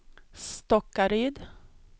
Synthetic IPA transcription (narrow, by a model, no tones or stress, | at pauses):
st̪ɔkːaɾyːd̪